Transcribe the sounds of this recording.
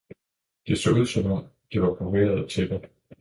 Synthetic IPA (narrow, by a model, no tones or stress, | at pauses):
d̥eso̰uð̞̰ˠsɒ̽mɒ̽m̰d̥iʋɑ̈pʰɒʋe̝̰ːɐð̞̩ˠt͡sʰe̝d̥e